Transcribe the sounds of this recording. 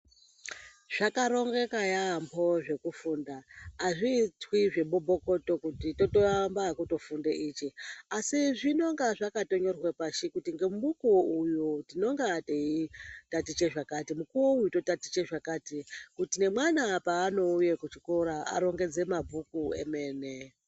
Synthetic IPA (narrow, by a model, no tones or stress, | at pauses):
ʐ̥akaɾo̞ŋɡe̞kajaːmbʰo̞ʐe̞kufuːndaːʐit͡swiʐe̞ɓobʱo̞ko̞to̞kutito̞toambakuto̞fundeʔiːt͡ʃeasiʐino̞ŋɡaʐakato̞ɲo̞rwepaʃikutiŋɡe̞muɓukuujutino̞ŋɡaːteitatit͡ʃeʐakatimukuwoujuto̞tatit͡ʃeʐakatikutine̞mwanapaːno̞ujekut͡ʃikoɾaa̰ɾo̞ŋɡe̞d͡ze̞mabʱukuḛme̞ːne